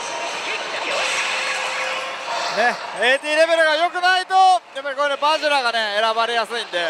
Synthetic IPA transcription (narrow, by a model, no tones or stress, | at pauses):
neeːt̪̬iːɾe̞be̞ɾɯ̟ɡajo̞kɯ̟nait̪o̞d̪emokoɾenebaʑɯɾaɡane̞eɾabaɾe̞jasɨĩnd̪e̞